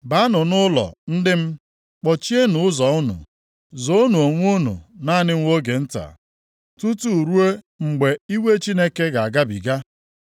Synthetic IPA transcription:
ba˦nʊ˨nʊ˦lɔ̰˨n̩˦dɪ˦m̩˦ | k͡pɔ˨t͡ʃi˦e˦nʊ˨ʊ˦zɔ˨ʊ˦nʊ̰˨ | zo˦nu˨o˨ŋʷ˦u˦nṵ˨na˦nɪ˦ŋ̩˦o˦ɡe˨n̩˦ta̰˨ | tu˦tu˦˨ɾu˦e˦ | ŋ͡m̩˨ɡ͡be˨i˦we˦t͡ʃi˦ne˦ke˦ɡa˨a˨ɡa˦bḭ˨ɡa˦

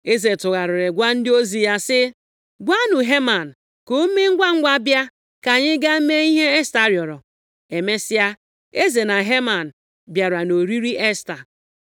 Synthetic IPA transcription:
e˦ze˨tʊ˨ɣa˨ɾʊ˨ɾɪ˨ɡʷa˦n̩˦dɪ˦o˦zi˨ja˦sɪ˦ | ɡʷa˦nʊ˨ɦe˦ma˨n̩˨ | ko˦me˦ŋ̩˦ɡʷa˦ŋ̩˦ɡʷa˦bja˦ | ka˨ɲɪ˦ɡa˦m̩˦me˦i˦ɦe˦e˦sta˨ɾjɔ˨ɾɔ˨ | e˨me˦sɪ˦a˦ | e˦ze˨na˨ɦe˦ma˨n̩˨ | bja˨ɾa˨no˨ɾi˦ɾi˦ʔe˦sta˨

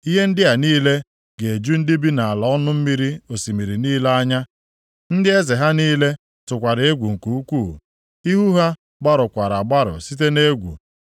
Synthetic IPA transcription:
i˦ɦe˦n̩˦dɪ˦a˨niː˦le˦ | ɡe˨e˨d͡ʒu˦n̩˦dɪ˦bi˦na˨a˨la˨˦ɔ˦nʊ˦m̩˦mi˦ɾi˦o˨si˨mi˨ɾi˨niː˦le˦a˦ɲa˦ | n̩˦dɪ˦e˦zɪ˨ɦa˦niː˦le˦ | tʊ˨kʷa˨ɾe˦ɡʷu˨ŋ̩˨ku˨u˦kʷuː˦˨ | i˦ɦu˦ɦa˦ | ɡ͡ba˦ɾʊ˨kʷa˨ɾa˨ɡ͡ba˦ɾʊ̰˨si˦t̬e˦ne˦ɡʷṵ˨

